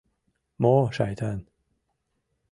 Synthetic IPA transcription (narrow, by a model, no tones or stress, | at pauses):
mɔːʃajt̪ʰan